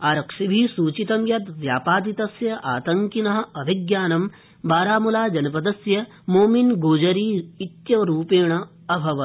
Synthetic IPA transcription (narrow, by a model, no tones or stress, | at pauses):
aːɾɐkʂibʱisuːt͡ʃit̪ɐmjɐt̪ʋjaːpaːd̪it̪ɐsjɐʔaːt̪ɐŋkinɐɦɐ̆ɐbʱiɡjaːnɐm | baːɾaːmulaːd͡ʒɐnɐpɐd̪ɐsjɐ | moːminɡoːd͡ʒɐɾiːit̪jɐɾuːpeːɳɐ | ɐbʱɐʋɐ